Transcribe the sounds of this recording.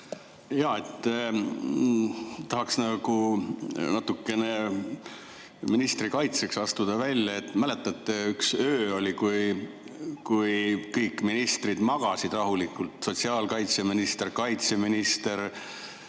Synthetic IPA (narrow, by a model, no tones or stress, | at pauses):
jɑːet̪ː | t̪ɑɦɑksnɑɡu | nɑt̪ːˑukːe̞ne | minist̪rikɑjt̪se̞ksɑst̪ud̪̥ɑvælʲjɑet̪ːˑmæle̞t̪ːˑɑt̪ˑːeyksøːo̞lʲikuj | kujːɤjkːˑminist̪rid̪̥mɑɡ̥ɑsid̪rɑɦulikːˑult̪so̞t̪siɑːlkɑjt̪seminist̪e̞ɾkɑjt̪se̞minist̪e̞ɾ